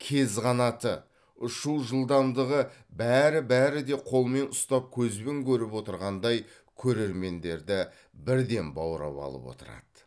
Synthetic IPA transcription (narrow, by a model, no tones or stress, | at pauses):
kʲʰe̞zʁɑnɑt̪ə | ʊʃuwˠʒəlˠd̪ɑmd̪əʁəbæɾɪbæɾɪd̪e̞qʰo̞lˠme̞nʊst̪ɑp̚kʲʰɵzbɪŋkʲɵɾɪpwo̞t̪əɾʁɑnd̪ɑj | kʲʰɵɾe̞ɾme̞nd̪e̞ɾd̪ɪ | bɪɾd̪e̞nbɑwɾɑ̰pɑ̰lˠə̰pwo̞̰t̪əɾɑ̰d̪̥ə